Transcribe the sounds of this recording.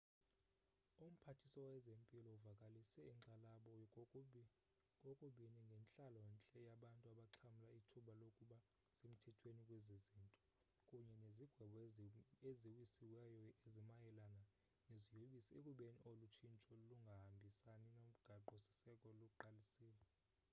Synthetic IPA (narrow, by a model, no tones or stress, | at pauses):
um̩pʰatʰisɔwɛzempʼilɔuvakʼalisɛiǁalaɓɔ | kʼɔkʼuɓiniŋɡʱɛnt͡ɬʼalɔwɛnt͡ɬʼɛjaɓantʼuaɓaǁʰamulaitʰuɓalokʼuɓa | sem̩tʰɛtʰwenikʼweziziːntʼɔ̥ | kʼuɲɛneziɡ̥ʱwɛɓɔeziwisiwɛjɔezimajɛlana | nezijoɓisekʼuɓeniʔolut͡ʃʰint͡ʃʼɔluŋɡʱahambʱisaninom̩ɡ̥ʱaǃusi̥sɛkʼɔlok̬ʼuǃalisiːlɛ